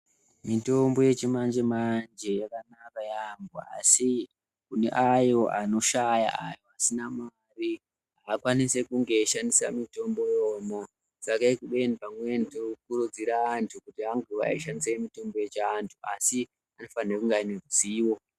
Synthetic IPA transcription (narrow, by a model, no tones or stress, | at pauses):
mito̞mbo̞je̞t͡ʃimand͡ʒe̞mand͡ʒe̞jakanakajamboa̰si | kune̞̰ʔajo̞ʔano̞ʃaja̰ajo̞asinama | ri | ɦaːkwanise̞kuŋɡe̞ʃandisa̰mito̞mbo̞jomo | sakaekuɓe̞nipamwe̞ntokurud͡ziɾaːntʰukutiɦaŋɡea̰iʃandiseimito̞mbo̞je̞t͡ʃaːntʰuasi | ano̞fanekuŋɡaineruziːwo̞